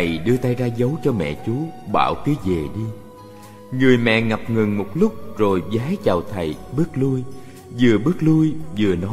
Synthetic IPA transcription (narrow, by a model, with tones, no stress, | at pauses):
ə˨˩jɗɨ˧ət̪aː˧jzaː˧zə˨˦wt͡ɕɔ˧mɛ̰˧˨t͡ɕu˨˦ɓa̰ː˧˩˨wkɨ˨˦ze˨˩ɗi˧ | ŋɨ˨˩əjmɛ̰˧˨ŋa˨˩p̚ŋɨ˨˩ŋmo˨˩t̚lʊ˦˥k͡p̚zo˨˩jzaː˨˦jt͡ɕaː˨˩wt̪ʰə˨˩jɓɨ˦˥ək̚lu˧j | zɨ˨˩əɓɨ˦˥ək̚lu˧jzɨ˨˩ənɔ˨˦